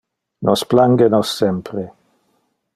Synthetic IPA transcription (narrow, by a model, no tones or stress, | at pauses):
nʔɔsplaŋɡenɔsːɛmpɾe